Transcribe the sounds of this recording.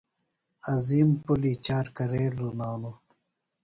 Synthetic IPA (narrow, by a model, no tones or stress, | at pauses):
ɐziːmpulit͡ɕaːɾkɐɾeːlunaːnu